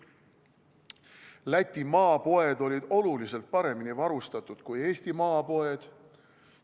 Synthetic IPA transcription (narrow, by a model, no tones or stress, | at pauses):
læt̪ʲːˑimɑːpo̞e̞d̪̥o̞lʲid̪̥o̞lulise̞lt̪̚pɑɾe̞minivɑɾust̪ɑt̪ːˑud̪̥kuje̞ːsʲt̪imɑːpo̞e̞d̪̥